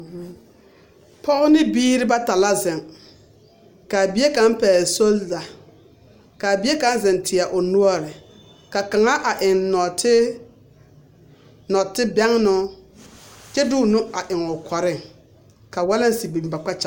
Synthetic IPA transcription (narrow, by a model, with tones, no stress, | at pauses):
pɔ˦ɣʊ˦nɪ˦biː˦ɾɪ˦ba˦ta˨la˦zɪ˨ŋ | ka˨bi˦e˦ka˦mpɛː˨so˦lza˨ | ka˨be˦ka˨˦n˦zɪ˨ntʰɪ˨a˨ʔʊ˨nu˦ɔ˦ɾɪ˨ | ka˨ka˨ŋa˦ʔa˨ʔɪ˨nnɔ˨tʰɪ˦ | nɔ˨tɪ˦bɛ˦ŋnʊ˦ | t͡ʃɛ˦dʊ˦˨nʊ˦a˨ʔɪ˨ŋʊ˨kʰɔ˨ɾɪ˦˨ŋ | ka˨wa˦la˦n˦si˨bi˨mba˨k͡pa˦t͡ʃa˨